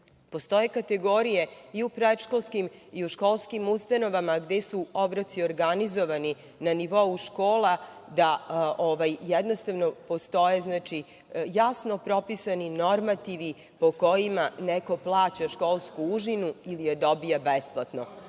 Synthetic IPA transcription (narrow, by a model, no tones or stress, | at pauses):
po̞st̪o̞jekat̪eɡo̞ɾijeiupɾed̪ʃkolˠskimiuʃkolˠskimust̪ano̞ʋamaɡd̪esuobɾot̪sioɾɡanizo̞ʋani | naniʋo̞uʃkoːlad̪aoʋajjɛd̪nost̪aʋnopo̞st̪o̞jeznaːt͡ʃi | jasno̞pɾo̞pisaninoɾmat̪iʋi | poko̞jimaneko̞plˠaːt͡ɕaʃko̞lˠskuuʒinuilijed̪o̞bijabesplˠat̪no